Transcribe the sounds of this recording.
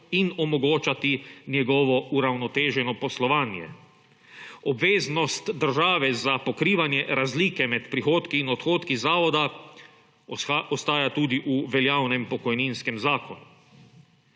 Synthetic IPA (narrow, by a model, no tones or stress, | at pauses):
inɔmɔɡoːt͡ʃat̪injɛɡɔʋɔuɾawnɔt̪eːʒɛnɔpɔslɔʋaːnjɛ̰ | ɔbʋeːznɔst̪d̪əɾʒaːʋɛzapɔkɾiːʋanjɛɾazliːkɛmɛt̪pɾixoːt̪kiːnɔt̪xoːt̪kizaːʋɔd̪a | ɔst̪aːjat̪uːd̪iʔuʋɛljaːwnɛmpɔkɔjninskɛmzaːkɔnu